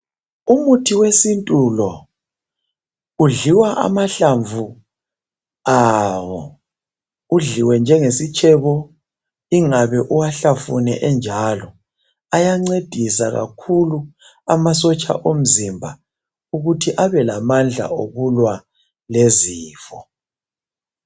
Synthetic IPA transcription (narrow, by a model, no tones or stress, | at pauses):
umutʰiwesintʼulɔ | uɮiwaʔa̰maɬaɱvʱu | awɔ̰ | uɮiwɛnd͡ʒʱɛŋesit͡ʃʼʰɛβɔ | iŋaβɛʔuwaɬafunɛ̰ʔɛnd͡ʒʱalɔ | ajaŋ͡ǀed̥ʱisaɣa̰kʰulu | amasɔt͡ʃʼa̰ʔom̩zimbʱa | uɣutʰiʔaβɛlamand͡ɮʱa̰oɣulwa | leziːfɔ